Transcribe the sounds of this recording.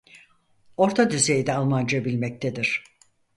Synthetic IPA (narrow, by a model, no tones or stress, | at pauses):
o̞ɾt̪ʰad̪yzejd̪ɛalˠmand͡ʒabilʲmɛc̚t̪ʰed̪iɾ̥